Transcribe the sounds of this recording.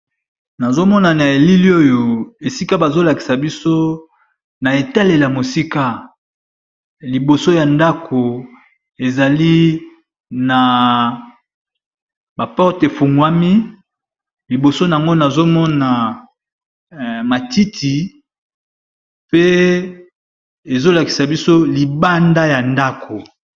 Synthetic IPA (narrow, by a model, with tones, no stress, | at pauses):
na˨zo˦mɔ˦na˨na˨e˨li˦li˦o˦jo˨e˨si˦ka˦ba˨zo˦la˨ki˨sa˨bi˦so˦ | na˨e˨ta˦le˨la˨mo˨si˦ka˦ | li˨bo˨so˦ja˨nda˦kʰo˨ | e˨za˨li˦ | na˨ | ba˨pɔ˦ʁte˨fu˨ŋɡwa˦mi˦ | li˨bo˨so˦na˨a˨ŋɡo˦na˨zo˦mɔ˦na˨ | ma˨ti˦tʰi˨ | pe˦ | e˨zo˦la˨ki˨sa˨bi˦so˦li˨ba˦nda˦ja˨nda˦kʰo˨